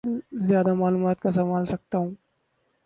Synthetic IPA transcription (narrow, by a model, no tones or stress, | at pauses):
zjaːd̪amaːluːmaːt̪̚kasɐmaːlsɐk̚t̪aɦũː